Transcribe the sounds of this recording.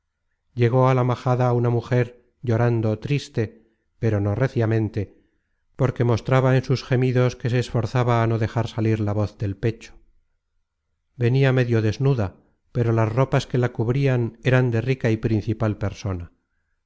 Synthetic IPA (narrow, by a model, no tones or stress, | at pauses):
ʎe̞ɣ̞o̞alamaxaðaːunamuxe̞ɾ | ʎo̞ɾand̪o̞t̪ɾist̪e̞ | pe̞ɾo̞no̞reθjamẽ̞nt̪e̞ | po̞ɾke̞mo̞st̪ɾaβaensusxe̞miðo̞ske̞s̬e̞ːsfo̞ɾθaβaːno̞ðe̞xaɾsaliɾlaβo̞θðe̞lpe̞t͡ʃo̥ | be̞niame̞ðjo̞ðe̞znuða | pe̞ɾo̞lazro̞paske̞lakuβɾiane̞ɾand̪e̞rikaipɾin̟θipalpe̞ɾso̞na